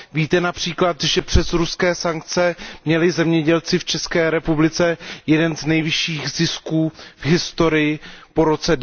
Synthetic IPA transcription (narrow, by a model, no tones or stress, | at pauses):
viːt̪ɛnapr̝̥iːklat̪ʒɛpr̥ɛzɾuskɛːsaŋk̚t͡sɛmɲɛlɪzɛmɲɛɟɛlt͡sɪft͡ʃɛskɛːɾɛpublɪt͡sɛjɛdɛnznɛjvɪʃiːɣzɪskuːvɦɪst̪o̞ɾɪjɪpo̞ɾo̞t͡sɛ